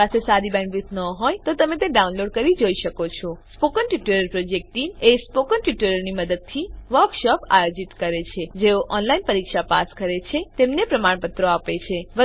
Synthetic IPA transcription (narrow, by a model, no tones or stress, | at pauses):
asesaɾibɛ̃ɳɖʋit̪ʰnəɦojt̪ot̪əmẽt̪eɖaunloɖ̚kəɾid͡ʒoiʃəkot͡ʃʰɔspokənʈiʈeɾəɾpɾod͡ʒek̚ʈinespokənʈiʈeɾəɾniməd̪əd̪̚t̪ʰiʋəɾkʃɔpa̰jod͡ʒit̪kəɾet͡ʃʰed͡ʒeoʔɔnlainpəɾikʃapaskəɾet͡ʃʰet̪emnepɾəmaɳpət̪ɾoapet͡ʃʰeʋə